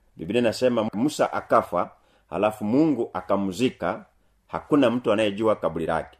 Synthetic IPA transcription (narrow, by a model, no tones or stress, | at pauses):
bibinɛnasɛmamusa̰ʔakafa | ha̰lafumuŋɡuʔakamuzika | hakunam̩tuanajɛɟuwakabuliɾa̰kɛ̥